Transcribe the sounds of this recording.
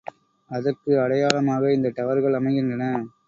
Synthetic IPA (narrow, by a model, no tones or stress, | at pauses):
ɐðɐrkɯɐɽɐjaːlɐmaːɣɐɪnd̪ɐt̪ɐʋɐɾɣɐɭɐmɐɪɣɪndrɐnɐ